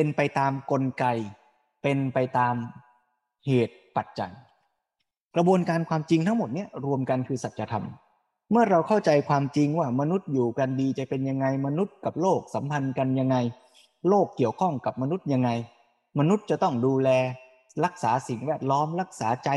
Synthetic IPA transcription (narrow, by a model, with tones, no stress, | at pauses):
pe˧npa˧jt̪aː˧mko˧nka˧j | pe˧npa˧jt̪aː˧m | heː˨˩t̪̚pa˨˩t̪̚t͡ɕa̰˨˩j | kɾa˧bu˧ənkaː˧nkʰwaː˧mt͡ɕi˧ŋt̪ʰa˦˥ŋmo˨˩t̪̚ni˦˥˩ɐɾu˧əmka˧nkʰɯː˧sa˨˩t̪̚ɾa˧t̪ʰa̰˧m | mɯ˥˩ɐɾa˧wkʰa˥˩wt͡ɕa˧jkʰwaː˧mt͡ɕi˧ŋwaː˥˩ma˧nu˦˥t̪̚juː˨˩ka˧ndiː˧t͡ɕa˨˩pe˧nja˧ŋːa˧jma˧nu˦˥t̪̚ka˨˩p̚loː˥˩k̚sa˩˦mpʰa˧nka˧nja˧ŋːa˧j | loː˥˩kːi˨˩əwkʰɔ˥˩ŋka˨˩p̚ma˧nu˦˥t̪̚ja˧ŋːa˧j | ma˧nu˦˥t̪̚t͡ɕa˨˩t̪ɔ˥˩ŋduː˧lɛː˧ | ɾa˦˥k̚saː˩˦si˨˩ŋwɛː˥˩t̪̚lɔː˦˥mɾa˦˥k̚saː˩˦t͡ɕa˧